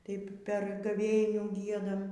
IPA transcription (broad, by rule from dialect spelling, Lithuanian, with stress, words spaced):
ˈtɐɪp pʲɛr ɡɐˈʋʲeːnʲuː ˈɡʲiɛdɐm